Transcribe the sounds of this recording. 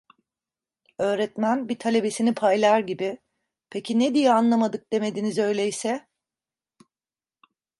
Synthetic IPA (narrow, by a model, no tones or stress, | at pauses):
ø̞ːɾɛt̪mænbit̪ʰalʲe̞be̞sinipʰajlˠaɾɟibi | pʰecʰined̪ijɛanlˠamad̪ɯk̚d̪̥e̞me̞d̪inizø̞jlʲejisɛ